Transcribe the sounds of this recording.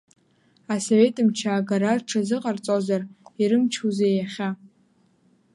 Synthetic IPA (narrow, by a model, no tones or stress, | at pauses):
asove̞tʼɨmt͡ʃʰaːɡaɾarʈ͡ʂʰazɨqʼart͡sʼozariɾɨmt͡ʃʰuzejaχʲa